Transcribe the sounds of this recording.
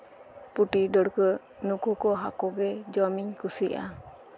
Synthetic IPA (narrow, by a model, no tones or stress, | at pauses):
puʈiɖəɽkə | nukɔkɔɦakɔɡɛd͡ʒɔmiɲkusiʔa̰